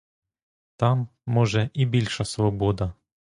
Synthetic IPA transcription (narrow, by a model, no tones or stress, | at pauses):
t̪ɑmːɔʒɛʔibʲilʲʃɐsʋɔbɔd̪ɐ